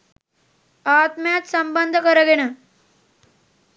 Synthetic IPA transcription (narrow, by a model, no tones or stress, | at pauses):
at̪mjat̪səmbənd̪ʱəkəɾəɡeɽa